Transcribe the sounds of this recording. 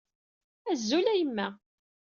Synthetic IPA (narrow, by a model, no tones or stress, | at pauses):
æzːulæjəmːæ